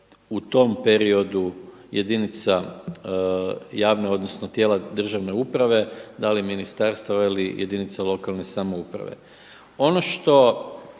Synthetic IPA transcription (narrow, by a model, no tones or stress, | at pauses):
ut̪o̞mpe̞ɾio̞d̪u | jʔed̪init̪sa | jaːʋne̞o̞d̪no̞snot̪je̞ːlad̪r̩ʒaʋne̞upɾaʋe̞d̪aliminist̪aɾst̪aʋailijʔed̪init̪salo̞kalne̞samoupɾa̰ʋḛ | o̞noʃt̪o̞